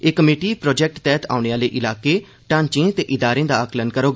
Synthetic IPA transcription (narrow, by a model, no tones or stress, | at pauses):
eːkəmeːʈiːpɾɔːd͡ʒɛk̚ʈt̪ɛːt̪ʰa̰ːʊɳeaːleːʔɪlaːkeː | ʈãːnt͡ʃẽt̪eːʔɪd̪aːɾẽːd̪aːəklənkəɾoːɡ